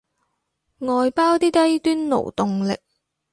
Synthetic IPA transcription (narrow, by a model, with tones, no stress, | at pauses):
ŋɔː˨jpaː˥wt̪iː˥t̪ɐ˥jt̪yː˥nno̰˨˩wt̪ʊ˨ŋlɪ˨k̚